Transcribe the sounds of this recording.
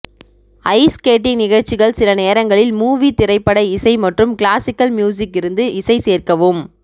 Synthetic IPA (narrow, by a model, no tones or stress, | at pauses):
ɐɪskeːʈ̬ːɪŋnɪɣɐɻt͡ʃːɪɣɐɭsɪlɐneːɾɐŋɡɐɭɪlmuːʋit̪ɪɾɐɪpːɐɽɐɪsɐɪmɐʈrɯmkɭaːsɪkːɐlmjuːs̬ɪkːɪɾɯnd̪ɯʔɪsɐɪseːrkɐʋɯm